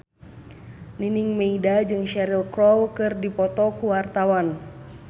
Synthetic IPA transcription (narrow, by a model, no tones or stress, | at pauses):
niniŋmɛidad͡ʒɨŋʃɛɾilkɾɔwkɨrdipɔt̪ɔkuwart̪awan